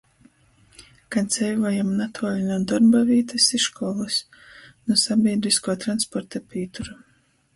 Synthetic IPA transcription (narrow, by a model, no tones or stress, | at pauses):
kant̪sʲɛjvɔjamnat̪ʰuɔlʲinʲud̪ɔɾbaviːt̪ɨsisʃkɔːlˠɨs | nusabʲiɛd̪ɾiskuɔt̪ɾanspɔɾt̪apʲiːt̪uɾu